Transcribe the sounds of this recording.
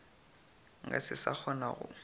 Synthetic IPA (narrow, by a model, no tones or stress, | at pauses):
ŋɡasɪsak͡xʰɔnaɣʊ̰